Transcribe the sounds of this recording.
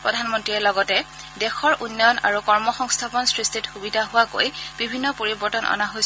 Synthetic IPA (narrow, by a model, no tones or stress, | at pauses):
pɹɔdʱanmɔntɹiɛlɔɡɔtɛ | dɛxɔɹʔunːɔjɔna̰ɹukɔɹmɔxɔŋstʰapɔnsɹistʰitxubidʱaɦʊwako̰jb̥ibʱinːɔpoɹibɔɹtɔnɔ̰naɦojs